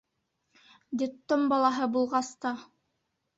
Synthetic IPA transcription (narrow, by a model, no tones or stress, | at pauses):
d̪ʲit̪ːombɑlˠɑɦɤbulˠʁɑst̪ɑ